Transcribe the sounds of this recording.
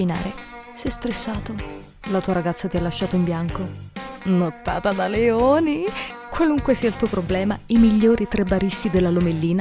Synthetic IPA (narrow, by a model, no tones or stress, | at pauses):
ina̰ːɾe | sɛst̪ɾesːaːt̪o | lat̪uːaɾaɡat̪sːat̪ialːaʃːaːt̪oimbjaŋkonot̪ːa̰ːt̪ad̪aleoːni | kwaluŋkwesiːailt̪uːopɾoblɛːmaimiʎːoːɾit̪ɾebaɾist̪id̪elːalomelːiːna